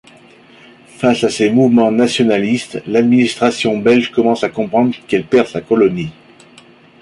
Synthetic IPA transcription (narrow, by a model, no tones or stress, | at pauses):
fasasemuvmɑ̃nasjɔnalist̪lad̪minist̪χasjɔ̃bɛlʒkɔmɑ̃sakɔ̃pχɑ̃d̪ʁkɛlpɛʁsakɔlɔni